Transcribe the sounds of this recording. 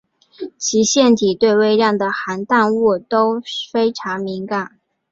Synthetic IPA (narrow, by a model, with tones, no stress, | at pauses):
t͡ɕʰi˧˥ɕjɛ˥˩nt̪ʰi˨˩t̪we˥˧ɪwe˥˧ɪɻjɑ˥˩ŋd̪ə˩xa˧˥nt̪a˥˧nɔ˥˩t̪o˥ʊfe˥ɪʈ͡ʂʰɑ˧˥ŋmi˧˥ŋka˨˩˦n